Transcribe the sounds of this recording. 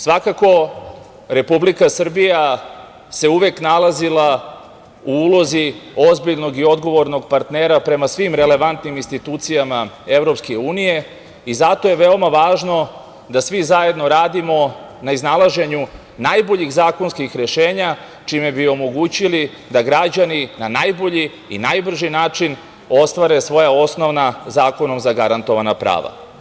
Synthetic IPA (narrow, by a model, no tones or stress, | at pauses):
sʋakako̞ | ɾe̞publikasr̩bija | se̞uʋeknalazilˠa | uuːlo̞zio̞zbiʎno̞ɡio̞d̪ɡo̞ʋo̞ɾnoɡpaɾt̪neːɾapɾe̞masʋimɾe̞le̞ʋant̪niminst̪it̪uːt̪sijamae̞ʋɾo̞pskeuːnije̞ | izat̪o̞je̞ʋe̞omaʋaːʒno̞ | d̪asʋizaje̞d̪no̞ɾaːd̪imo̞ | naiznalaʒe̞ɲu | najboʎiɣzaːko̞nskixɾe̞ʃe̞ːɲa | t͡ʃime̞biomo̞ɡuːt͡ɕili | d̪aɡɾad͡ʑaninanajbo̞ʎḭː | najbr̩ʒinaːt͡ʂin | o̞st̪ʋaɾe̞sʋo̞jao̞sno̞ʋnazaːko̞no̞mzaɡaɾant̪o̞ʋanapɾa̰ːʋa̰